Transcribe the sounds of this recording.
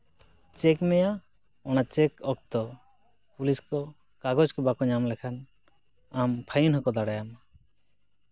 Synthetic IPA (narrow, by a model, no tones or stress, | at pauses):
t͡ʃɛkmɛja | ɔñat͡ʃɛkɔk̚t̪ɔ | puliskɔ | kaɡɔd͡ʒkɔbakɔɲamlɛkʰan | ampʰajunɦɔkɔd̪aɽajam